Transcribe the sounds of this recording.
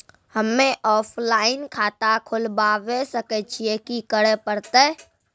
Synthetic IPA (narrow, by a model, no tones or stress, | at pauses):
həmːeʔɔːpʰlaːɪnkʰat̪akʰʊlbaʋesəkɛt͡ʃʰiekikəɽepəɽt̪ɛ